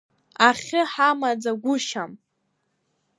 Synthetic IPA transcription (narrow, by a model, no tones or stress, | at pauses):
aχʲɪħamad͡zaɡʷʊʃam